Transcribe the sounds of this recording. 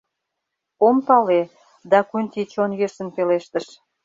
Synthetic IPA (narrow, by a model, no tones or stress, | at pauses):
ompɑle | d̪ɑkunʲt̪it͡ɕonjeʃə̆npeleʃt̪əʃ